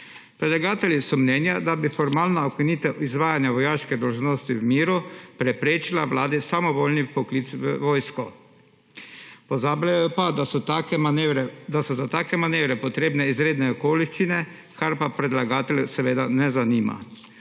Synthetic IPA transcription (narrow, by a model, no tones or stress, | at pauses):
pɾɛd̪laɡaːt̪ɛljisɔmnɛːnjad̪abifɔɾmaːlnaokiniːt̪ɛizʋaːjanjaʋɔjaːʃkɛd̪ɔlʒnost̪iwmiːɾupɾɛpɾeːt͡ʃilaʋlaːd̪isamɔboːlnipɔkliːt̪sʋəʋoːjskɔ | pɔzaːblajjɔpad̪aaɾd̪asɔzat̪aːkɛmaneːʋɾɛpɔt̪ɾeːbnɛizɾeːd̪nɛɔkoːliʃt͡ʃinɛ | kaɾpapɾɛd̪laɡaːt̪ɛljusɛʋeːd̪anɛzaniːma̰